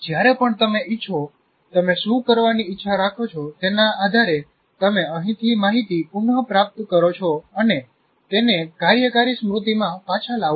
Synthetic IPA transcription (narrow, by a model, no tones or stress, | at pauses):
d͡ʒjaɾepəɳt̪əmeɪtːt͡ʃʰo | t̪əmesukəɾʋaniɪtːʃʰaɾakʰot͡ʃʰɔt̪enaːd̪ʱaɾe | t̪əmeəɦĩt̪ʰimaɦit̪ipunɦəpɾap̚t̪kəɾot͡ʃʰoəne | t̪enekaɾjəkaɾisəmɾut̪imãpat͡ʃʰalaʋ